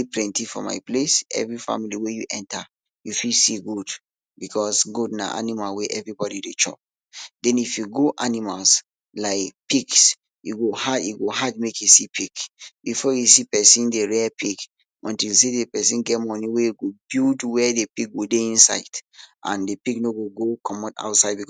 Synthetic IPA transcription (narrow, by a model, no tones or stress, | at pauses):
eplɛ̃ntifɔ̰ma̰ɪplesɛ̰vɹifa̰miliwejuʔɛ̃nta | jufilsiɡud | bikʰɔsɡudna̰ʔa̰nimalweʔɛvɹibɔɾidet͡ʃɔ̰p̚ | dɛ̃nifjuɡoʔanimals | laɪkpiks | jṵɡohaiɡoɦad̚mekjisipʰikb̥ifɔjusipɛsĩndeɹɛpik | ɔ̃ntilsedepɛsĩnɡɛtmɔniwejuɡobildwɛdepik̚ɡodeĩnsa̰ɪdʔã̰ndepiknoɡoɡokʰɔmɔta̰ʊtsaɪd̚bik